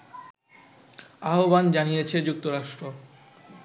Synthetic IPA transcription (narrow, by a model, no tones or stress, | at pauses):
aɦoband͡ʑanijet͡ɕʰed͡ʑuk̚t̪oɾaʃʈɾo